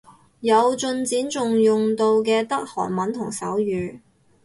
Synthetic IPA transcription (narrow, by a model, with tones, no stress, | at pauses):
jɐ˨˧wt͡ʃɵ˧nt͡siː˨˥nt͡sʊ˨ŋjʊ˨ŋt̪o˧wkɛː˧t̪ɐ˥k̚hɔ̰ː˨˩nmɐ˨˥nt̪ʰʊ˨˩ŋsɐ̰˨˥wjyː˨˧